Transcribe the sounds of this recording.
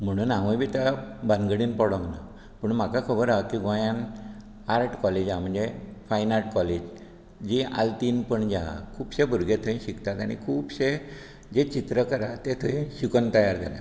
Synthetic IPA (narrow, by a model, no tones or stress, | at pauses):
m̤əɽ̃uːnaʋə̃jbit̪abə̃nɡəɽiːnpɔɽɔŋɡna̰ | pəɳm̤akakʰəbəɾakiɡõjãn | aɾʈkɔled͡ʑam̤əɳd͡zefajnaɾʈkɔled͡ʑ | d͡ʑiʔa̰lt̪iːnpəɳd͡ʑa̰kʰuːbɕebʱuɾɡet̪ʰə̃ĩɕikt̪at̪aɽ̃ḭkʰuːbɕe | d͡ʑet͡ɕit̪ɾəkəɾat̪et̪ʰəĩɕikənt̪əjaɾd͡zʱa̰la̰